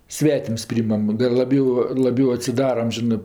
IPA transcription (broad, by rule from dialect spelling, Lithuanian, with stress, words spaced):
ˈsʲʋʲæːtʲɪms ˈpʲrʲiːɪmɐm ˈdɐr lˠɐˈbʲɛʊ lˠɐˈbʲɛʊ ɐtʲsʲɪˈdɑːrɐm ˈʒʲɪnɜ